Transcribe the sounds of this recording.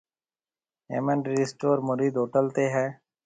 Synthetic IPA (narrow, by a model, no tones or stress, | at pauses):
ḛːməɳɖɾiːsʈoːɾmʊɾiːd̪oːʈəlt̪eːɦɛ̃ː